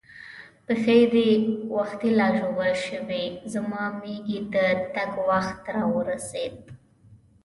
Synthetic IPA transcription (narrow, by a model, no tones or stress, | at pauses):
pəxajɾewaxt̪ilɑʒoɡəlʃəwezamɑmeɡit̪at̪aɡwaxt̪ɾɑwəɾased̪̚